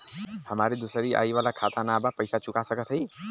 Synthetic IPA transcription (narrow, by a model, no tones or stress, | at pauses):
həmaɾid̪usəɾiʔa̰ːiʋalakʰat̪anabapəjsat͡ʃʊkasəkət̪ʰɦəi